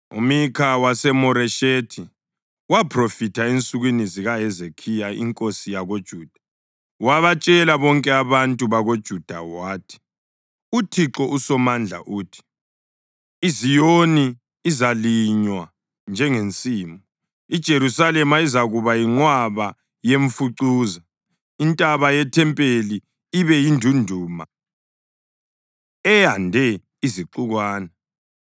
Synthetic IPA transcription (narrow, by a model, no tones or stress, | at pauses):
ṵmikʰawasɛmɔɾɛʃetʰi | wapʰrofitʰaent͡sʼuɣwiniziɣaɦɛzekʰijaḭŋkʼosijaɣod̥ʒ̥ʱuːd̥ʱḁ | waβat͡ʃʼɛlaβɔŋkʼɛaβantʼuβaɣod̥ʒ̥ʱud̥ʱa̰waːtʰi̥ | utʰiǁɔʔusɔmand͡ɮʱa̰ʔuːtʰi̥ | izijoniː | zaliɲwa | nd͡ʒʱɛŋent͡sʼiːmɔ | id̥ʒ̥ʱeɾusalɛmaizaɣuβajiŋwaβa | jeɱfuǀuːza | intʼaβajɛtʰɛmpʼeli | iβɛjindʱundʱuːma̰ | ɛjandʱɛ | iziǁuɣwaːna